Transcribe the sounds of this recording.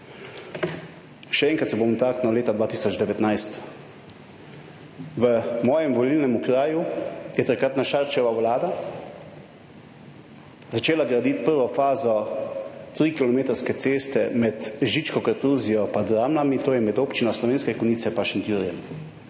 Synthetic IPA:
ʃɛɛːŋkɾat̪sɛbomt̪aknɔleːt̪ad̪ʋaːt̪iːsɔd͡ʒd̪ɛʋɛt̪najst̪ | ʋəmɔːjɛmʋɔlilnɛmukɾaːjujɛt̪akɾat̪naʃaɾt͡ʃɛʋawlaːd̪a | zat͡ʃeːlaɡɾad̪it̪pəɾʋɔfaːzɔ | t̪ɾikilɔmeːt̪əɾskɛt̪seːst̪ɛmɛt̪ʒit͡ʃkɔkəɾt̪uzijɔpad̪ɾamlamit̪oːjɛmɛd̪oːpt͡ʃinɔslɔʋeːnskɛkɔniːt̪sɛpaʃint̪uɾijɛm

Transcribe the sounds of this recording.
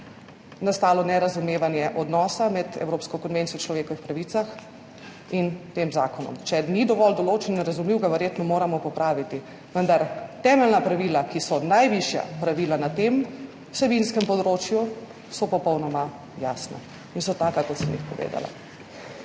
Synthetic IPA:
nast̪aːlɔnɛɾazumeːʋanjɛʔɔd̪nɔːsamɛd̪ɛ̰wɾoːpskɔkɔnʋent̪sijɔt͡ʃlɔʋeːkɔʋixpɾaʋit̪sax | int̪eːmzaːkɔnɔ̰mt͡ʃɛnid̪ɔʋɔld̪ɔloːt͡ʃɛninɾazumliwɡaʋɛɾjeːt̪nɔmoːɾamɔpɔpɾaːʋit̪i | ʋənd̪aɾt̪ɛːmɛlnapɾaʋiːlakisɔnajʋiʃja̰pɾaʋiːlanat̪em | wsɛbinskɛmpɔd̪ɾoːt͡ʃju | sɔpɔpɔwnɔma | jaːsna̰ | insɔt̪aːkakɔt̪səmḭxpɔʋḛːd̪a̰la̰

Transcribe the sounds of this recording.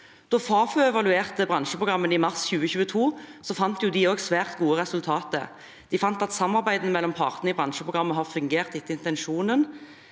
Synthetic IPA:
d̪̥ɔfɑːføːɛʋɑlʉeːʁt̪əbʁɑnʃəpʰʁʊɡʁɑmːənɪmɑʁsçʉːəçʉːət̪ʰuːsɔfɑnt̪jʊd̪ɪoːɡsʋæːʁt̪ɡuːəʁɛsʉlt̪ʰɑːt̪ə̰ | d̪̥ɪfɑnt̪ɑt̪sɑmːɑʁbæɪd̪ənəmɛlːɔmpʰɑʁt̪ənəɪbʁɑnʃəpʰʁʊɡʁɑmːəɦɑʁfʉŋɡeːʁt̪ɪt̪ːəɪnt̪ɛnʂuːnən

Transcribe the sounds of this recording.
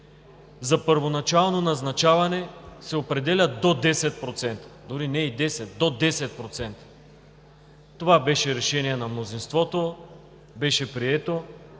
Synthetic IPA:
zɐpəɾvonɐt͡ʃalˠnonɐznɐt͡ʃavɐnɛsɛopɾɛd̪ɛlʲəd̪od̪ɛsɛt̪̚pɾot̪sɛnt̪ə̥d̪oɾinɛid̪ɛsɛt̪̚d̪od̪ɛsɛt̪̚pɾot̪sɛnt̪ə̥ | t̪ovabɛʃɛɾɛʃɛniɛnɐmnozinst̪vɔt̪o | bɛʃɛpɾiɛt̪o

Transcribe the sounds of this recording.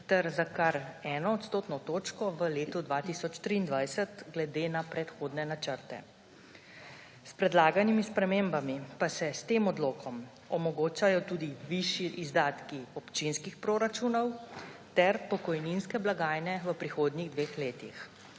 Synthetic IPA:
t̪ɛɾzakaɾɛːnɔːt̪st̪oːt̪nɔt̪oːt͡ʃkɔʋəleːt̪ud̪ʋat̪isɔt͡ʃt̪ɾiːnd̪ʋajsət̪ɡlɛd̪eːnapɾɛt̪xoːd̪nɛnat͡ʃəɾt̪ɛ̰ | spɾɛd̪laːɡanimispɾɛmembamipasɛst̪eːmɔd̪loːkʰɔm | ɔmɔɡoːt͡ʃajɔt̪uːd̪iʋiʃjiʔizd̪aːt̪kiɔpt͡ʃinskixpɾoɾat͡ʃuːnɔwt̪ɛɾpɔkɔjninskɛblaɡaːjnɛʋəpɾixoːd̪niɣd̪ʋeːxleːt̪ix

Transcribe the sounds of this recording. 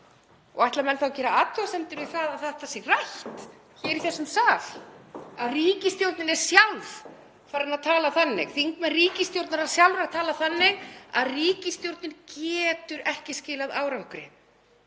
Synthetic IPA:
ɔɣajht̪lamɛnθawcɛːɾaaːt̪ʏasɛmt̪ʏɾvɪ̥θaðaðθat̪ʰːasjɪɣrajht̪ | çɛːɾiθɛsːʏmsaːv | aðriːcɪst̪jowɾt̪nɪnɛɾ̥sjalv | faːɾɪnaðt̪ʰaːlaθanːɪ̰ɣθiŋkmɛnriːcɪst̪jowɾt̪naɾaðsjawlɾaɾt̪ʰaːlaθanːɪɣa̰ðriːcɪst̪jowɾt̪nɪncɛːt̪ʏɾɛhcɪscɪːlaðaːwɾawŋkɾɪ̰

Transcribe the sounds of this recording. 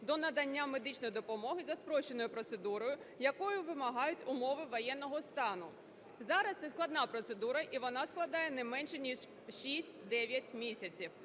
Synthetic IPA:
d̪ɔnɐd̪ɐnʲːamed̪ɪt͡ʃnɔjɪd̪ɔpɔmɔɦɪzɐspɾɔʃt͡ʃːenɔjʊpɾɔt̪sed̪uɾɔjʊjɐkɔjʊʋɪmɐɦɑjʊtʲʊmɔʋɪʋɔjɛnːɔɦɔst̪ɑnʊ | zɑɾɐst̪sɛsklˠɐd̪nɑpɾɔt̪sed̪uɾɐʔiʋɔnɑsklˠɐd̪ɑjɛnɛmɛnʃɛnʲiʂ | ʃisʲtʲd̪ɛʋʲjɐtʲmʲisʲɐt͡sʲiw

